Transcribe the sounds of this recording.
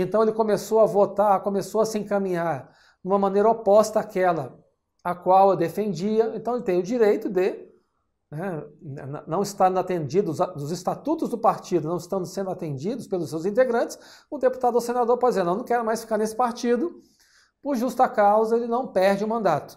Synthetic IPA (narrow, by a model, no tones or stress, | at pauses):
ẽnt̪ɐ̃elɪkõmesoɐvot̪aɾkõmesoɐsɪẽkɐmĩɲaɾ | nũmɐmɐ̃nejɾɐopɔst̪ɐakɛlɐ | akwawewd̪efẽnd͡ʒiɐẽnt̪ɐ̃elɪt̪ẽj̃ʊd͡ʒiɾejt̪ʊd̪ɪ | nɛnɛnnɐ̃w̃ɪst̪aɾ̃d̪at̪ẽnd͡ʒid̪ʊzd̪ʊzɪst̪at̪ut̪ʊzd̪ʊpaɾt͡ʃid̪ʊnɐ̃w̃ɪst̪ɐ̃nd̪ʊsẽnd̪ʊat̪ẽnd͡ʒid̪ʊspelʊsewzĩnt̪eɡɾɐ̃nt͡ʃɪ̥sʊ̃d̪epu̥t̪ad̪ʊʊsenad̪oɾpɔd͡ʒizeɾnɐ̃nɐ̃kɛɾʊmajsfi̥kaɾnesɪ̥paɾt͡ʃid̪ʊ | pʊɾʒust̪akawzɐelɪnɐ̃w̃pɛɾd͡ʒɪũmɐ̃nd̪at̪ʊ̥